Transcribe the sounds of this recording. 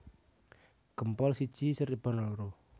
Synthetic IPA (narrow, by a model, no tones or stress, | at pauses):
ɡ̥əmpɔlsi̥t͡ʃisəɾib̥anɔlɾo